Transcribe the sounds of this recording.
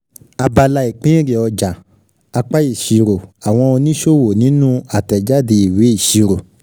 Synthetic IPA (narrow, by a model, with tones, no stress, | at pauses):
a˧ba˧la˧i˨k͡pĩ˦ɾe˨ɔ˧d͡ʒa˨ | a˧k͡pa˦i˦˨ʃi˨ɾo˨a˨w̃ɔ̃˧o˧nĩ˦ʃo˦˨wo˨nĩ˨˦nũ˦a˨tɛ˨d͡ʒa˦de˧i˨we˨˦i˦˨ʃi˨˧ɾo˨